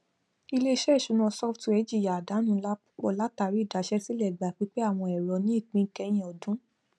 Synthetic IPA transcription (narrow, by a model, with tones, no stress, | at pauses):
i˧le˦ʃɛ˦˨ʃu˨˧˦nã˧sɔ˦ftɛ˨˦d͡ʒi˦˨ja˨a˨da˨˦nũ˦la˦ | k͡pɔ˧˨la˦ta˧ɾi˦˨da˨˦ʃɛ˦si˦lɛ˦˨ɡ͡ba˨˦˨k͡pi˦k͡pe˦a˦˨w̃ɔ̃˧ɛ˨ɾɔ˨˧nĩ˨˦i˦˨k͡pĩ˧˨kɛ˧˦j̃ĩ˨ɔ˨dũ˦